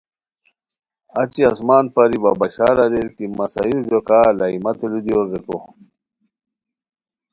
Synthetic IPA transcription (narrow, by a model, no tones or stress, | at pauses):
ɐt͡ɕiɐsmaːnpɐɾibabɐɕaːlɐɾelkimɐsaiɾd͡ʑokaːlaimɐt̪ulud̪ioɡeko